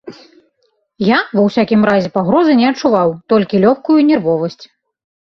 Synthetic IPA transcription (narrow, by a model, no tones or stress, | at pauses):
javɐwsʲakʲimɾazʲɛpaɣɾɔzɨnʲɛɐt͡ʂuvawt̪ɔlʲkʲilʲɔxkujunʲɛrvɔvɐsʲt͡sʲ